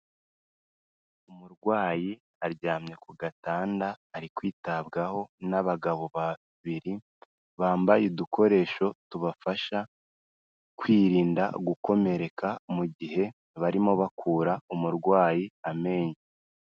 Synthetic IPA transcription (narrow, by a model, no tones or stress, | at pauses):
umuɾɡwaːji | aɾɟaːmɲe̞kuɡataːndaːɾikwiːtabɡaho̞naβaɡaβo̞βa | βiɾi | βaːmbajedukʰo̞ɾe̞ːʃo̞tuβafaʃa | kwiːɾiːnda̰ɡuko̞me̞ɾe̞kamuɟiɦe̞ | βaɾimo̞βakʰuːɾaumuɾɡwaːjiame̞ːɲi